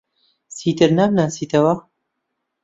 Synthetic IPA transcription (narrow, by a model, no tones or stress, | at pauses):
siːt̪ɨɾnaːmnaːsiːt̪ɐwɐ